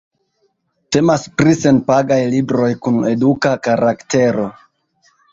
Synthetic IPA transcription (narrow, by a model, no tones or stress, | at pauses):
te̞maspɾise̞npaɡajlibɾo̞jkune̞dukakaɾakte̞ɾo̞